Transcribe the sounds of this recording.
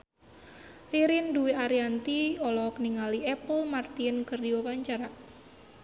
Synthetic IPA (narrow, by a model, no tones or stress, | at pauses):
riɾinduwiaɾiant̪iɔlɔk̚niŋaliɛpəlmart̪inkɨrdiwapaɲt͡ʃaɾa